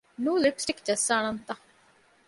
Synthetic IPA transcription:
nũːlipsʈikd͡ʒɐsːaːnɐnt̪ɐ̃

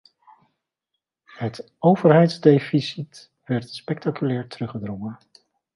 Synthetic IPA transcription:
hət | owvəɹɦɛjtzdejfisit | ʋɛɹtspɛk̚takylɛːɹtərɵχədrɔŋən

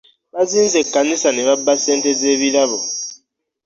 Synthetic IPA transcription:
ɓazinzekanisaneβabːasɛntʼed͡zeβilaβo

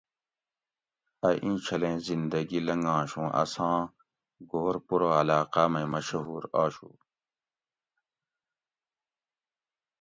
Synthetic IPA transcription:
ɐʔĩːt͡ɕʰɐlẽːzind̪ɐɡilɐŋɡãːɕũːʔɐ̰sãː | ɡoːɾpuɾoːɐlaːqamɐmɐɕɐɦuːɾaːɕṵː

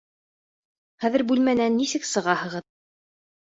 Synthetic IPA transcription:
χæðɘ̆ɾbʉlmænænːisɘksɤ̆ʁɑhɤ̆ʁɤð

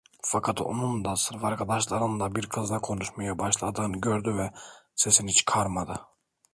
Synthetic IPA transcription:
fakʰat̪o̰nund̪asɯɾfaɾkʰad̪aʃlˠaɾɯnd̪abiɾkʰɯzd̪akʰo̞nuʃmajabaʃlˠad̪ɯːnɟøɾd̪yvɛsesinhit͡ʃkʰaɾmad̪ɯ

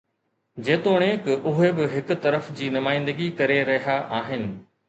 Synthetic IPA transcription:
d͡ʑeːt̪oːɽ̃ẽːkɪʔʊɦebɪɦɪkʊ̆t̪ɐɾəfd͡ʑiːnʊmaːɪ̃nd̪əɡikɐɾeɾɐɦijaʔaːɦɪnɪ̆

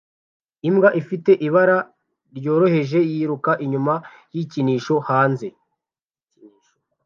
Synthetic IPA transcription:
imɡaʔifite̞ʔiβaɾa | ɾjo̞ːɾo̞he̞ʒe̞jiɾukaʔiɲuma | jiciniːʃo̞haːnze̞

